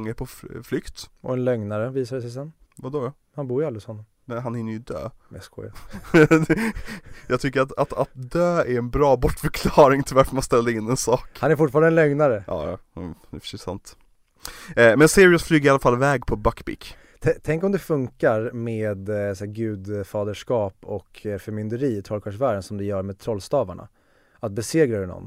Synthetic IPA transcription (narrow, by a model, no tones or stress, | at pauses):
ŋːəpʰɔflʏkt̪ʔɔ̰ɛnlœŋnaɾəviːsaɖɛsɛjs̬ɛnːvad̪ɔ | hanbuːɾjalɾɪsɔnːɔm | mɛɦanhɪnːəɾjʏd̪ø̰ːmɛ̰skɔ̰ja | jɑːɡt̪ʰʏkːəɾat̪at̪at̪̚d̪øːæɾɛnbɾɑːbɔʈːfœɾkʰlɑːɾɪŋt̪ʰɪlvaɾfœɾmanst̪ɛlːaɾɪnːɛnsɑːkhanæɾfʊʈːfɑːɾanɛnlœŋnaɾəʔɑ̰ːjɑ̰d̪ɛfə̥ʂɛsa̰nt̪ | mɛnseːɾɪʊsflyːɡəɾɪalafalːvɛːɡpʰɔbakːbɪ̰k | t̪ʰɛt̪ʰɛŋkɔmd̪ɛfɵŋkaɾmeːd̪sæːɡʉ̟ːd̪fɑːd̪əʂkɑːpɔkfœɾmʏnd̪əɾiːɪt̪ʰɾɔlkʰaʂvæːɖənsɔmd̪ɛjœːɾmeːd̪̚t̪ʰɾɔlst̪ɑːvaɳa̰ | at̪̚bɛseːɡɾad̪ɛnɔ̰nː